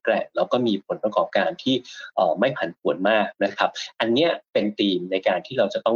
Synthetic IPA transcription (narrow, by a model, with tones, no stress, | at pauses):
klɛ˥˩ɾa˧wkɔː˥˩miː˧pʰo˩˦npɾa˧kɔː˨˩p̚kaː˧nt̪ʰiː˥˩ʔɤː˨˩ma˥˩jpʰa˨˦npʰu˨˩˦ənmaː˥˩k̚na˦˥kʰa˦˥p̚ʔa˧nːi˦˥ɐpe˧nt̪iː˧mna˧jkaː˧nt̪ʰiː˥˩ɾa˧wt͡ɕa˨˩t̪ɔ˥˩